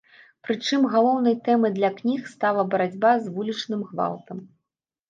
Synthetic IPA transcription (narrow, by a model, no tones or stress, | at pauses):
pɾɨt͡ʂɨmɣalˠɔwnɐjt̪ɛmɨd̪lʲɐknʲixst̪alˠɐbɐɾad͡zʲbazvulʲit͡ʂnɨmxva̰lˠt̪ɐm